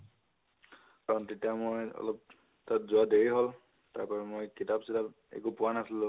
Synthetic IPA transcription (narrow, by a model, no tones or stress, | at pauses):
kaɹɔntetijamojɔ̰lɔp̚ | tatzʊadeɹiɦɔl | taɹpɔɹɛmojkitabsitap | ḛkupʊanasilʊ̃